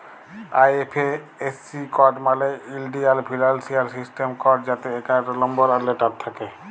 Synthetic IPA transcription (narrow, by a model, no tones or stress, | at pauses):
ajepʰe | esːikɔʈmaleilɖialpʰilalsiaɹsisʈemkɔʈzat̪eːkatɔlɔmbɔɾaleʈatt̪ʰːake